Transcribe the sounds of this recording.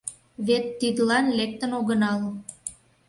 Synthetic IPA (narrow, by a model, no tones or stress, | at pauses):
βet̪ːid̪əlɑnlek̚t̪ənoɣənɑlo